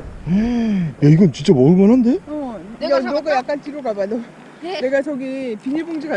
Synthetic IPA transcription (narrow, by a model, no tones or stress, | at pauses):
jaiɡʌnt͡ɕint͡ɕ͈amʌɯbʌnɦande̞jʌoɡɯjak͈̚ant͡ɕiɾoɡabado | ne̞ɡat͡ɕʌɡipiɲiboŋd͡ʑiɡa